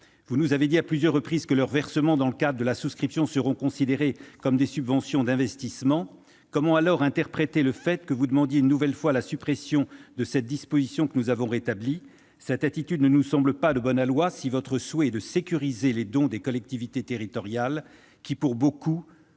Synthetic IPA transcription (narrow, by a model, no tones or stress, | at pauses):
vunuzaved̪iaplyzjœʁːəpχizkəlœʁvɛʁsəmɑ̃d̪ɑ̃ləkad̪ʁəd̪əlasuskχipsjɔ̃səʁɔ̃kɔ̃sid̪eʁekɔmd̪esybvɑ̃sjɔ̃d̪ɛ̃vɛst̪ismɑ̃ | kɔmɑ̃alɔʁɛ̃t̪ɛʁpχet̪eləfɛt̪kəvud̪əmɑ̃d̪jeynːuvɛlfwalasypχesjɔ̃d̪əsɛt̪̚d̪ispozisjɔ̃kənuzavɔ̃ʁet̪abli | sɛt̪at̪it̪yd̪nənusɑ̃bləpad̪əbɔnalwasivɔt̪χəswɛɛd̪əsekʲyʁizeled̪ɔ̃d̪ekɔlɛk̚t̪ivit̪et̪eʁit̪ɔʁjal | kʲipuʁboku